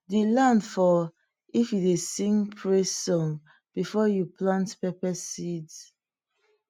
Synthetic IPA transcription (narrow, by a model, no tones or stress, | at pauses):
dilãndfɔ | ifjudesĩŋpʰɹesɔ̃n | b̥ifɔjuplãntpɛpɛsids